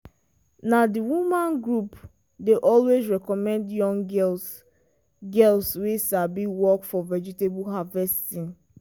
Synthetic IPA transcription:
nadiwumãnɡɹup | deʔɔlwezɹɛkɔmɛ̃ndjɔ̃ŋɡɛl | ɡɛlswesabiwɔkfɔvɛd͡ʒitebuɦavɛsttĩn

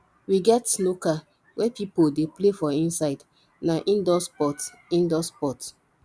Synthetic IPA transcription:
wiɡɛtnoka | wɛpipoldeplefɔĩnsaɪd | naʔĩndɔspɔt | ĩndɔspɔt

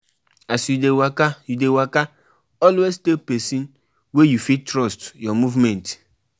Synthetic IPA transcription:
asjudewakajudewaka | ɔlwestepesĩn | wejufitɾɔstjɔmuvmɛ̃nt

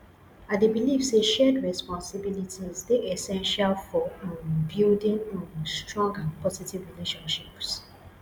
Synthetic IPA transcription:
adebilivseʃɛdɹɛspɔ̃nsibilitʰizdeʔɛsɛ̃nʃalfɔãnbildĩnãnstɹɔ̃ŋɡãnpʰɔzitivɹileʃɔ̃nʃips

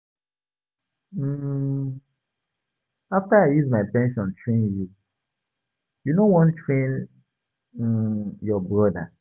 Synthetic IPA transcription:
m̩ | aftaaɪjuzmaɪpɛ̃nʃɔ̃ntɹẽnju | junowɔ̃ntɹẽn | jɔbɹɔda̰

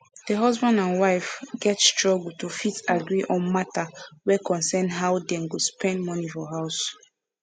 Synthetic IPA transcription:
d̥əɦɔzbãndãnwaɪfɡɛtstɹɔɡltofitaɡɹiʔɔ̃nmatawɛkɔ̃nsɛ̃nɦaʊdɛ̃mɡospʰɛ̃ndmɔnifɔɦaʊs

